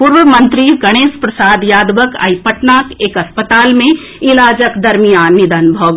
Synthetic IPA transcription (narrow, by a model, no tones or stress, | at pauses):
puɾʋəmɐnt̪ɾiɡɐɽ̃eːspɾɐsaːd̪jaːd̪ʋəka̰jpəʈnaːkeːkɐspət̪aːlmẽ | ilaːd͡ʒəkd̪ɐɾmijaːnːid̪ənbʱəʋ